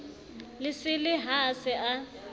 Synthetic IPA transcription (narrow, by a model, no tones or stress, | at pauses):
lɪsɪlɪɦasɪʔa